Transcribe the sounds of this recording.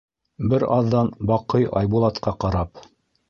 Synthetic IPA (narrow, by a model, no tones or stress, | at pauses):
bɘɾɑðːɑnbɑqɤjɑ̰jbulˠɑt̪qɑqɑɾɑp